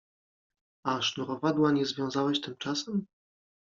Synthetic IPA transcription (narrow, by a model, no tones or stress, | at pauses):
aʂnuɾɔvad̪waɲɛzvʲjɔ̃w̃zawɛɕt̪ɘmt͡ʂasɛm